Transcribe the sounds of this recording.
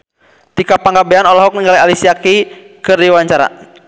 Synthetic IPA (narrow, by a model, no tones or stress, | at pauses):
t̪ikapaŋɡabɛanɔlaɦɔk̚niŋɡalaialisiaki | kɨrdiwaɲt͡ʃaɾa̰